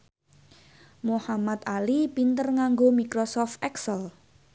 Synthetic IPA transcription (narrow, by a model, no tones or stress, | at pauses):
mohamat̪alipint̪ərŋaŋɡomikɾosɔft̪ʔɛksəl